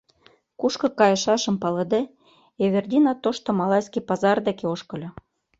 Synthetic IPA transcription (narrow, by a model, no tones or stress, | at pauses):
kuʃkɤ̆kɑjɤ̆ʃɑʃə̆mpɑlɤ̆d̪e | eβĕrd̪ʲinɑt̪oʃt̪ŏmɑlɑjskipɑzɑrd̪ekeoʃkɤ̆lʲɤ̆